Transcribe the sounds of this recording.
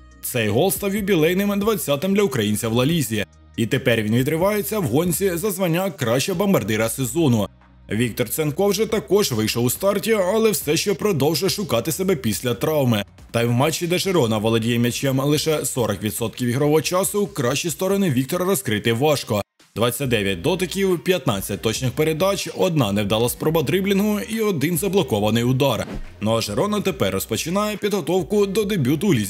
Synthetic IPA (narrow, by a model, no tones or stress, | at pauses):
t̪sɛjɦɔlˠst̪ɑwʲjiwbʲilˠɛjnɪmd̪ʋɐt͡sʲːɑt̪ɪmd̪lʲɐʊkɾɐjinʲt͡sʲɐwlˠɐlʲizʲi | it̪epɛɾʲʋinʋʲid̪ɾɪʋɑjet͡sʲːɐwɦɔnʲt͡sʲizɐzʋɐnʲːakɾɑʃt͡ʃɛbɔmbɐrd̪ɪɾɐsezɔnʊ | ʋʲik̚t̪ɔrt̪senkɔwʒɛt̪ɐkɔʒʋɪjʃɔwʊst̪ɑrtʲiɐlˠɛwsɛʃt͡ʃɔpɾɔd̪ɔwʒɛjʃʊkɑt̪ɪsebɛpʲisʲlʲɐt̪ɾɑwmɪ | t̪ɐjwmɑt͡ʃːid̪ɛʒeɾɔnɐʋɔlˠɔdʲijɛmʲɐt͡ʃɛmlˠɪʃɛsɔɾɔkʋʲit̪sɔt̪̚kʲiwiɦɾɔʋɔɦɔt͡ʃɑsʊkɾɑʃt͡ʃist̪ɔɾɔnɪʋʲik̚t̪ɔɾɐɾɔskɾɪt̪ɪʋɑʃkɔ | d̪ʋɑt͡sʲːɐt̚ʲd̪ɛʋʲjɐt̚ʲd̪ɔt̪ɪkʲiwpʲjɐt̪nɑt͡sʲːɐt̚ʲt̪ɔt͡ʃnɪxpeɾe̞d̪ɑt͡ʃʲɔd̪̚nɑnewd̪ɐlˠɑspɾɔbɐd̪ɾɪblʲinɦʊiɔd̪ɪnzɐblˠɔkɔʋɐnɪjʊd̪ɑrnɔɐʒeɾɔnɐt̪epɛrːɔspɔt͡ʃɪnɑjɛpʲid̪ɦɔt̪ɔwkʊd̪ɔd̪ebʲut̪ulʲizʲ